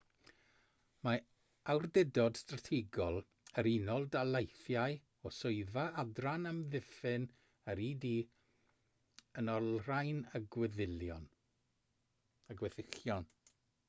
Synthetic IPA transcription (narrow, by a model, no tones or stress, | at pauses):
ma | awrdɛdɔd̥stratʰiɡɔlˠ | əɾinɔlˠdalˠajθjaɨ | ɔsʊɨðaadranəmðɪfɨn | əɾidi | ənɔlrajnəɡwɪðɪljɔn | əɡwɛθɪχjɔn